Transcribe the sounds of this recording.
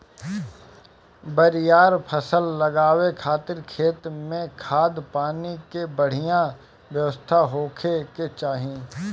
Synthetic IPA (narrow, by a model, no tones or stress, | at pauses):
bəɾɪjaːɾpʰəsəlːɐɡaːwekʰaːt̪ɪɾkʰeːt̪mẽkʰaːd̪paːnikebəɽ̤ijã | ʋjəʋəst̪ʰaɦoːkʰeket͡ʃaːɦiẽː